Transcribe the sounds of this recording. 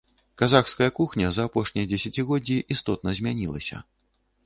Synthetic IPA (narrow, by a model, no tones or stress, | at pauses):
kazaxskɐjɐkuxnʲɐzɐːpɔʂnʲijɐd͡zʲɛsʲat͡sʲiɣɔd͡zʲːiʔist̪ɔt̪̚nɐzʲmʲanʲilˠɐ̰sʲɐ̰